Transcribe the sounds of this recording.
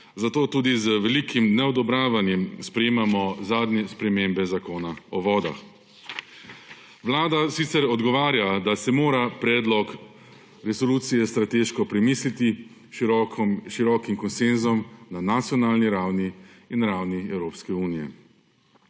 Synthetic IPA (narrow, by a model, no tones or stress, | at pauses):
zat̪oːt̪uːd̪izəʋɛlikimnɛɔd̪ɔbɾaːʋanjɛmspɾɛjeːmamɔzaːd̪nɛspɾɛmembɛzakoːnaɔʋɔːd̪a̰x | ʋlaːd̪asit̪sɛɾɔd̪ɡɔʋaːɾjad̪asɛmoːɾapɾɛːd̪lɔk | ɾɛsɔluːt̪sijɛst̪ɾat̪eːʃkɔpɾɛmiːslit̪i | ʃiɾɔːkimkɔnsenzɔmnanat̪sjɔnaːlniɾawniː | nɾawniɛwɾoːpskɛuːnijɛ̰